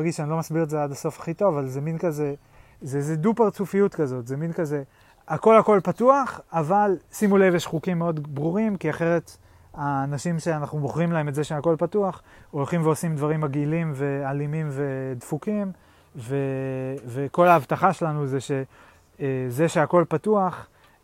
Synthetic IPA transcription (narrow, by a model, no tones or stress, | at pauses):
aɡidʃanilo̞masbiʁetzeadaso̞fḁχito̞vavalzeminkaze | zeezedupeʁt͡sufijutkazo̞tzeminkaze̞ | ako̞lhako̞lpatuaχavalsimulevjeʃχukimːeo̞dbʁuʁimkiaχe̞ʁet | aːnaʃimʃeanaχnuboχʁimlahemetzeʃeako̞lpatuaχo̞lχimveo̞simd̪vaʁimaɡilimve̞alimimve̞dfukim | veveko̞laavtaχaʃelanuzeʃe̞ | ezeʃe̞ako̞lpatuaχ